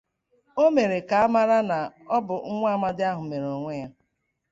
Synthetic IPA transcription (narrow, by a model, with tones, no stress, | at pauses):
o˦me˨ɾe˨ka˨a˦ma˦ɾa˦na˨ɔ˦bʊ˨ŋ̩˦ŋʷa˦a˦˨ma˦dɪ˦a˦ɦʊ˨me˨ɾo˨ŋʷe˦ja˦